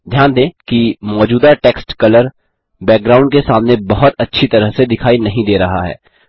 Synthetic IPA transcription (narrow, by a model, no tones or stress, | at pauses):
d̪ʱjaːnd̪ẽːkimɔːd͡ʒuːd̪aʈɛːksʈkɐləɾ | bɛːk̚ɡɾaːʊɳɖkesaːmnebɐɦʊt̪ɐtːʃʰit̪ɐɾəɦsed̪ɪkʰaːinɐɦĩd̪eːɾɐɦa̰ɦɛ̰ː